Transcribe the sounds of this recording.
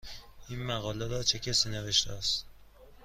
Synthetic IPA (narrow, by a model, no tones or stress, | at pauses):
ʔiːnmæɣɒːleɾɒːt͡ʃʰecʰæsiːne̞ve̞ʃt̪ʰeæst̪